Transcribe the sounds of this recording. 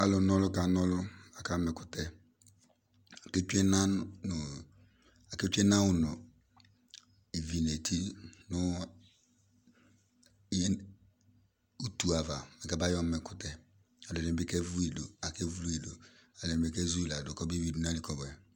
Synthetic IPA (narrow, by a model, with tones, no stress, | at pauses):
a˦lʊ˨n˦ɔ˦lʊ˦ka˨˦nɔ˦lʊ˦a˨ka˦mɛ˨kʊ˨tɛ˨ | a˨ke˦t͡ʃe˦na˦n˨ | a˨ke˦t͡ʃʷe˦na˦wʊ˦nʊ˨ | e˨vi˨ne˨tʰi˦nʊ˦ | u˦tu˨a˨va˨mɛ˨ka˦ba˦jɔ˦mɛ˨kʊ˨tɛ˨ | a˨lo˨e˨˦be˦kɛ˦vu˦i˨lo˨a˨ke˦vu˦lu˦i˨do˨a˨lʊ˨be˦kɛ˦zu˦˨la˨dʊ˨kɔ˦bi˦wi˦du˨˦n˦a˦li˨kɔ˨bɛ˨